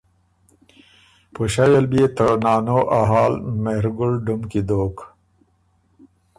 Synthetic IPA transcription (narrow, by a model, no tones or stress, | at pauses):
pəʃawelbet̪ənɑːnoʔaɦɑːlmeɾɡʊɽɖumkid̪oːk